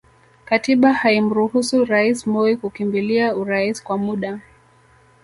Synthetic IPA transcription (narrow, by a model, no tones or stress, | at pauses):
katiɓahaim̩ɾuhusuɾaismɔikukimbiliauɾaiskwamuɗa